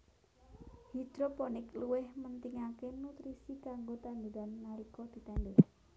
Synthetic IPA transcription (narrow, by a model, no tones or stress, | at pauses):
hid̪̥ɾopɔnɪkluwɪhmənt̪iŋakenut̪ɾisikaŋɡot̪and̪uɾanːaɾikɔd̪̥i̤t̪ɛndɛh